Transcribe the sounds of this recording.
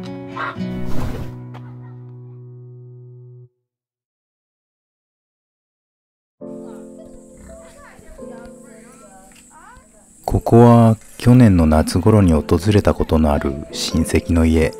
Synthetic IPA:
kʰo̞ko̞βa | kʲo̞nẽ̞nːo̞nat͡sɨɡo̞ɾo̞ɲ̟io̞t̪o̞zɨɾe̞t̪ako̞t̪o̞no̞aɾɯ̟ɕĩɰ̃se̞kʲino̞ie̞

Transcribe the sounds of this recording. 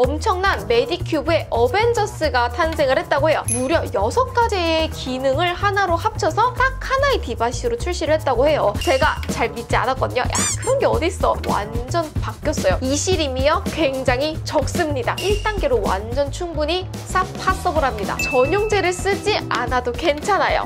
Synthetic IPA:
ʌmt͡ɕʰʌŋnanme̞dikʰjubue̞ʔʌbe̞nd͡ʑʌs͈ɯɡatʰans̬ʰe̞ŋɯɭhe̞t̚t͈aɡoɦe̞jomuɾjʌjʌsʰʌk̚k͈ad͡ʑeːkinɯŋɯɭhanaɾohap̚t͡ɕʰʌsʰʌt͈ak̚hanaetibaɕ͈ʰiɾot͡ɕʰuɭɕ͈iɾɯɭhe̞t̚t͈aɡohe̞jot͡ɕe̞ɡat͡ɕaɭmit̚t͡ɕ͈ia̰nat̚k͈ʌɲo̰jakɯɾʌŋɡe̞ʌdis͈ʌwa̰nd͡ʑʌnpakk͈jʌs͈ʌjoiɕʰiɾimiʌkwe̞ŋd͡ʑaŋɦit͡ɕʌk̚s͈ɯmɲidaiɭt͈aŋɡe̞ɾowa̰nd͡ʑʌnt͡ɕʰuŋbuɲi | s͈ʰapʰas͈ʌboɾamɲida̰t͡ɕʌɲoŋd͡ʑe̞ɾɯɭs͈ɯd͡ʑianadoke̞nt͡ɕʰanajo̰

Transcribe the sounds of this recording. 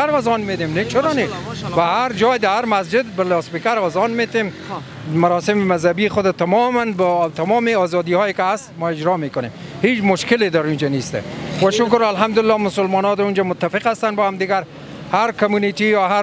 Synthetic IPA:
aɾɔzɔnmet̪emnet͡ʃʰʊɾɔnebaɦaɾd͡ʒɔjd̪ahaɾmas̬d͡ʒɪd̪balɑspɪkaɾɔzɑnmet̪em | maɾɔsɪmɪmazhabixʊd̪at̪amɔmanbɔt̪amɔmeɒzɑd̪ihɔekɪast̪mɔɪd͡ʒɾɔmekʊnḛm | het͡ʃmʊʃkɪled̪aɾund͡ʒanest̪a̰waʃʊkʊɾalɦamd̪ʊlɪlːɑmʊsʊlmɔnɔd̪und͡ʒamʊt̪ːafɪqast̪anbɔhamd̪ɪɡaɾ | haɾkamunit̪ijɒɦa

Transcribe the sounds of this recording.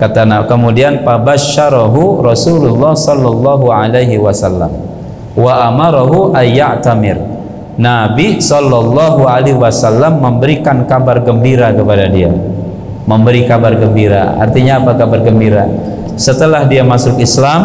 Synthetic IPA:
kat̪anakəmudianpabaʃːaɾaɦurɔsululːɑhsɔlːɔlːɑɦuʕalejɦiwasalːa̰m | waʔamaɾaɦuʔajːaʔt̪amɪr | nabisɔlːɔlːɑɦualewasalːamːəmbəɾikankabarɡəmbiɾakəpadadia̰ | məmbəɾikabarɡəmbiɾa̰a̰rt̪iɲaːpakabarɡəmbiɾa̰ | sət̪əlahdiamasʊkislam

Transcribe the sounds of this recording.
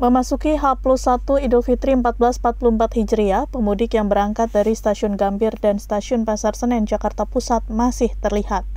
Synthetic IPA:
məmasukiɦalplusat̪uidofit̪ɾiəmpat̪̚bəlasmpat̪̚puluəmpat̪hid͡ʒɾiapəmudɪkjaŋbəɾaŋkat̪̚daɾist̪asiʊnɡambɪrdanst̪asiʊnpasarsənjaŋd͡ʒakart̪apusat̪̚masɪht̪ərlihat̪̚

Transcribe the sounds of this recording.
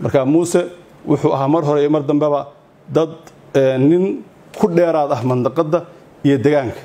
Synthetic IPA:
mɐ̰rkʰamuːsɛ | wʔʊ̰ħuːʔɐɦaːmɐrɦɔɾɛmɐrd̪ɐmbɛβɐ | d̪ɐd̪ | ɛːnɪŋ | kʰʊɖɛːɾaːd̪ɐhmɐnd̪ɐqɑd̪ːɐ | ijɔd̪ɛɣaːŋkʰɐ̥

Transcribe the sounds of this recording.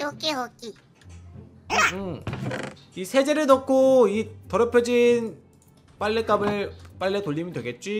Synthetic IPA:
okeɦʌki | ɯ | isʰe̞d͡ʑe̞ɾɯɭnʌkʰoitʌɾʌpʰjʌd͡ʑin | p͈aʎːek͈abɯɭp͈aɭːetoʎːimʌndwe̞ɡe̞t̚t͡ɕ͈wi

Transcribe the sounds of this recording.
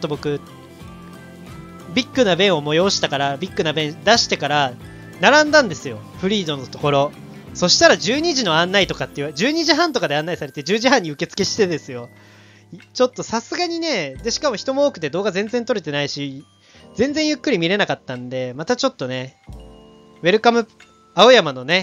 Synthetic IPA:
t̪ːobo̞kɯ̟ | bʲikːɯ̟nabẽ̞ɰ̃o̞mo̞jo̞ːɕi̥t̪akaɾabʲikːɯnabẽ̞nd̪aɕi̥t̪e̞kaɾa | naɾãnd̪ãnd̪e̞sɨjo̞ɸɯ̟ɾʲiːd̪o̞not̪o̞ko̞ɾo̞ | so̞ɕi̥t̪aɾaʑɨːɲ̟iʑino̞ãnːait̪o̞kat̪ːeiɯd͡ʑɨːɲ̟iʑiɦãnt̪o̞kad̪e̞ãnːaisaɾe̞t̪e̞d͡ʑɨːʑiɦãɲ̟ːiɯ̟ke̞t͡sɨ̥ke̞ɕi̥t̪e̞d̪e̞sɨjo̞ | t͡ɕo̞t̪ːo̞sasɨɡaɲ̟ine̞d̪e̞ɕi̥kamo̞çi̥t̪o̞mo̞oːkɯ̟t̪e̞d̪o̞ːɡazẽ̞nzent̪o̞ɾe̞t̪e̞naiɕi | d͡zẽ̞nd͡zeɰ̃jɯ̟kːɯ̟ɾʲimʲiɾe̞nakat̪ːãnd̪e̞mat̪at͡ɕo̞t̪ːo̞ne̞ | βe̞ɾɯ̟kamɯ̟ | ao̞jamano̞ne̞

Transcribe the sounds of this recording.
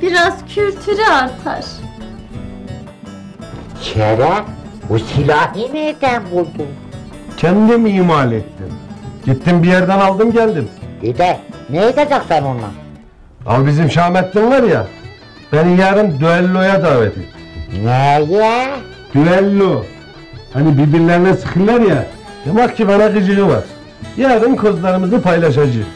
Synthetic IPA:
b̥iɾaz̥cʰylʲt̪ʰyɾiaɾt̪ʰa̰ɾ̥ | ʃʰæɾæ | usilʲaːhimed̪ænbulˠd̪um | cʰænd̪imiːmalʲɛt̪ːimɟ̥it̪ːimbijæɾd̪ænɑlˠd̪ɯmɟælʲd̪imd̪ed̪ænejed̪ad͡ʒaχsænonːˠa̰ | ɑ̰lˠbizimʃɑːmæt̪ːimvɑɾjɑ̰ | b̥ænijæɾɯnd̪yælːojɑd̪ɑːvæt̪ʰḭnæjæ | d̪̥yælːo | hænibiɾbiɾlæɾinæsɨ̥χɯlːæɾjæ | d̪̥emɑχcʰibænæʁɯd͡ʒɯʁɯvɑ̰ɾ | jæɾɯnkʰozlˠɑɾɯmɯzɯpʰɑjlˠɑʃ̬ɑd͡ʒɯχ

